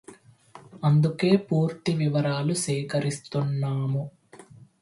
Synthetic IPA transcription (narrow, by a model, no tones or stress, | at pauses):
ɐnd̪uke̞ːpuːɾt̪iʋiʋɐɾaːlusɛːkɐɾist̪unːaːmu